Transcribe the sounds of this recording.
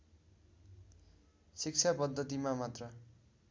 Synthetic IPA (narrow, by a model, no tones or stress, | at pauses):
sik̚t͡sʰapʌd̪ʱːʌt̪imamat̪rʌ